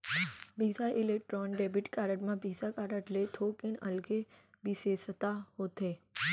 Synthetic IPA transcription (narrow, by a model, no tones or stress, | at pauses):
bʱiːsaʔɪleːk̚ʈɾɔːnɖeːbɪʈkaːɾəʈmãbʱiːsakaːɾəʈlet̪ʰoːkɪnɐ̰lɡe | biseːsət̪aɦoːt̪eː